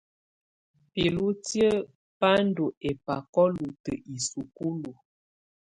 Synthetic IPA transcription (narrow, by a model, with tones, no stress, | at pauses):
pi˨lu˦tjə˦ | pa˦n˦do˨ʔe˨pa˨kɔ˦lu˨tə˨ʔi˨su˨ku˦lu˨